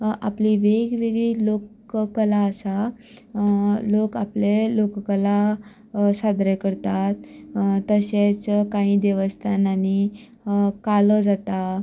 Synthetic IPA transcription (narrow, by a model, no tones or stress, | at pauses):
a̰pliʋeɡʋeɡɭiːlok | kəlaəsa | lokaplelokkəla | sad̪ɾakəɾt̪at̪t̪ːəɕet͡skaɦĩːd̪eʋəst̪ʰanani | kalɔd͡zat̪a